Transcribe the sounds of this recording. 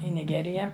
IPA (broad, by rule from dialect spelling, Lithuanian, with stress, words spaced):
ɪ nʲɪˈɡʲæːrʲɪjɛ